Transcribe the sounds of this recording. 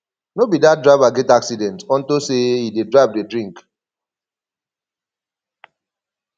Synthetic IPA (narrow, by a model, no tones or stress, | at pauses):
nobidat̚dɹavaɡɛtaksidɛ̃ntɔ̃ntoseidedɹap̚dedɹĩŋk